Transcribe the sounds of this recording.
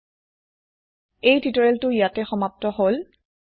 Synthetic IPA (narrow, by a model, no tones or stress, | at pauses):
ejtitɔɹɛltʊjatɛxɔmap̚tɔɦol